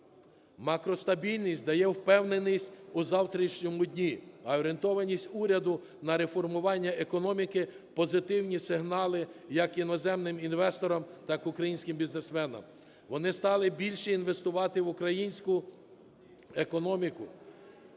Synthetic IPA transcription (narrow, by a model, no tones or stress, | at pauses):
mɑkɾɔst̪ɐbʲilʲnʲisʲtʲd̪ɐjɛwpɛwnenisʲtʲʊzɑwt̪ɾʲit͡ʃnʲɔmʊdʲnʲiɐɔɾʲent̪ɔʋɐnʲisʲtʲuɾʲɐd̪ʊ | nɐɾe̞fɔrmʊʋɑnʲːɐekɔnɔmʲikɪ | pɔzɪt̪ɪwnʲisɪɦnɑlˠɪjɐkinɔzɛmnɪminʋɛst̪ɔɾɔmt̪ɑkʊkɾɐjinʲsʲkɪmbʲiznesmɛnɐ̰m | ʋɔnɪst̪ɑlˠɪbʲilʲʃɛinʋest̪ʊʋɑt̪ɪʋʊkɾɐjinʲsʲkʊ | ekɔnɔmʲikʊ